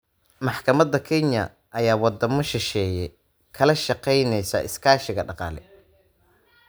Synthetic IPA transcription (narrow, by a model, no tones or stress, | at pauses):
mɑħkʰɐmɐd̪ɐkʰɛnjɐ̰ | ʔɐjaːwɑd̪ɐmɔʃɪʃɛːjɛj | kʰɐlɐʃɑqɛjnɛjsɐ̰ʔɪskʰaːʃɪɣɐɖɑqɑ̰ːlɛ̰